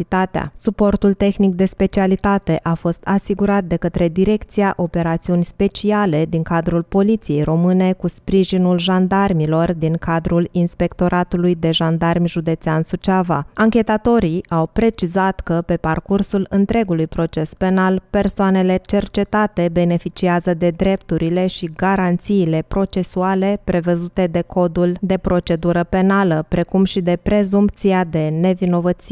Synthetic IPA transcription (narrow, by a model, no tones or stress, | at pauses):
it̪at̪ea̰supo̞rt̪ult̪e̞xnik̚d̪e̞spe̞t͡ʃialit̪at̪e̞ʔafo̞st̪asiɡuɾat̪̚d̪e̞kət̪ɾe̞d̪iɾe̞kt̪siaʔo̞pe̞ɾat̪siunʲspe̞t͡ʃiale̞d̪iŋkad̪ɾulpo̞lit̪sije̞jro̞mɨne̞kuspɾiʒinulʒand̪armilo̞rd̪iŋkad̪ɾulinspe̞kt̪o̞ɾʔat̪ulujd̪e̞ʒand̪armʲʒud̪e̞t̪seansut͡ʃava̰aŋkʲe̞t̪at̪o̞ɾiawpɾe̞t͡ʃizat̪kəpe̞parkursulɨnt̪ɾe̞ɡulujpɾo̞t͡ʃe̞spe̞nalpe̞rsoane̞le̞t͡ʃe̞rt͡ʃe̞t̪at̪e̞be̞ne̞fit͡ʃiazəd̪e̞d̪ɾe̞pt̪uɾile̞ʃiɡaɾant̪siːle̞pɾo̞t͡ʃe̞suale̞pɾe̞vəzut̪e̞d̪e̞kʰo̞d̪uld̪e̞pɾo̞t͡ʃe̞d̪uɾəpe̞naləpɾe̞kumʃid̪e̞pɾe̞zump̚t̪siad̪e̞ne̞vino̞vət̪si